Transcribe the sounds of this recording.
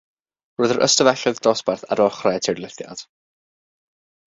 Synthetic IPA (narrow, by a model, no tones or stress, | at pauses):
roɨðəɾʔə̰stəvɛɬɔðdɔsbarθa̰ɾɔχrɛtʰerlˠɪθja̰d̥